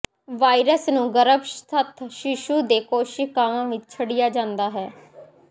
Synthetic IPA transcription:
ʋaːiɾəsnũːɡəɾəbst̪ʰət̪ʰʃɪʃuːd̪eːkoːʃɪkaːʋãːʋɪt͡ʃt͡ʃʰəɽɪjaːd͡ʒãːnd̪aːɦɛː

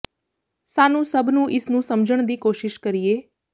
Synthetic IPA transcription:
saːnũsəbʱnũʔɪsnũsəmd͡ʒəɳ̃d̪iːkoːʃɪʃkəɾije

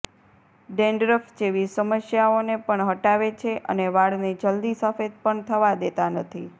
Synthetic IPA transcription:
ɖẽɳɖɾəfd͡ʒeʋisəməsjaonepəɳɦəʈaʋet͡ʃʰeʔə̰neʋaɽnid͡ʒəld̪isəfed̪̚pəɳt̪ʰəʋad̪et̪anət̪ʰi

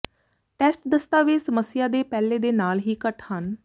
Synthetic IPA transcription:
ʈɛːsʈd̪əst̪aːʋesəməsːɪjaːd̪eːpɛːleːd̪eːnaːlɦiːkəʈhən

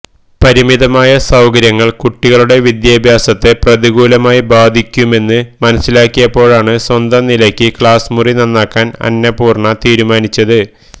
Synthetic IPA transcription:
pɐɾimiðɐmaːjɐsɐwkɐɾjɐŋːɐɭkuʈːiɣɐɭuɽe̞ʋid̪jaːbʱjaːsɐt̪ːeprɐðiɣuːlɐmaːjibaːd̪ʱikʲːume̞nːɨmɐnɐsːilaːkːijɐpːo̞ːɻaːɳɨswɐnd̪ɐnilɐkʲːɨkɭaːsmurinɐnːaːkːaːnɐ̰nːɐpuːrɳɐt̪iːɾumaːnit͡ɕːɐðɨ

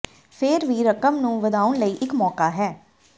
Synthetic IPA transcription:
pʰɪɾʋiːɾəkəmnũːʋəd̪aːʊnləiːʔɪkmɔːkaːɦɛː

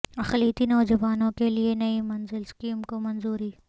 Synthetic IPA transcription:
ɐxliːt̪inɔːd͡ʒɐʋaːnõkelienɐimɐnzɪlskiːmkomɐnzuːɾiː

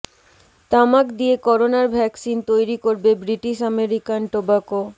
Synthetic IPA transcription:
t̪amakd̪ijekɔɾonaɾbʱɛksint̪ojɾikoɾbebɾiʈiʃameɾikanʈobako

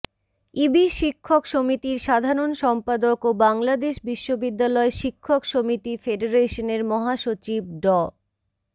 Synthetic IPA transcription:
ibiʃikʰːokʃomit̪iɾʃad̪ʱaɾonʃɔmpad̪okobaŋlad̪eʃbiʃːobid̪ːalɔeʃikʰːokʃomit̪ifeɖeɾeʃoneɾmɔɦaʃot͡ɕib̚ɖɔ

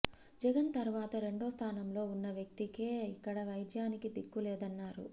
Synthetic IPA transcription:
d͡ʒɛɡɐnt̪ɐɾuʋaːt̪ɐɾe̞ɳɖo̞ːst̪ʰaːnɐmlo̞ːunːɐʋjɐk̚t̪ikeːikːɐɽɐʋɐjd̪jaːnikid̪ikːulɛːd̪ɐnːaːɾṵ

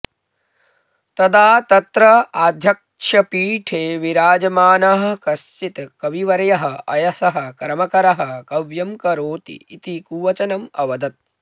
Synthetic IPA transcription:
t̪ɐd̪aːt̪ɐt̪ɾɐaːd̪ʱjɐk | ʂɐpiːʈʰeːʋiɾaːd͡ʒɐmaːnɐɦɐ̆kɐst͡ʃit̪kɐʋiʋɐɾɐjɐɦɐ̆ʔɐjɐsɐɦɐ̆kɾɐmɐkɐɾɐɦɐ̆kɐʋjɐmkɐɾoːt̪ḭːt̪ikuːʋɐt͡ʃɐnɐmɐʋɐd̪ɐt̪̚

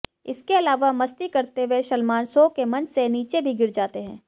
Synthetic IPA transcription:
ɪskeɐlaːʋamɐst̪ikɐɾt̪eʋeʃɐlmaːnsoːkemɐ̃nd͡ʒseniːt͡ʃebʱiɡɪɾd͡ʒaːt̪eɦɛ̃ː

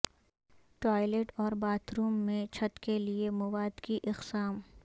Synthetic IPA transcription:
ʈɔːɪleːʈɔːɾbaːt̪ɾuːmːẽt͡ʃʰɐt̪keliemʊʋaːd̪kiʔɪqsaːm

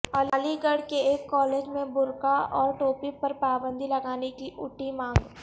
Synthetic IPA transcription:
alaːliɡɐɽkeeːkːɔːleːd͡ʒmẽbʊɾkaɔːɾʈoːpipɐɾpaːbə̃nd̪ʱilɐɡaːnekiʔʊʈimãːŋɡ

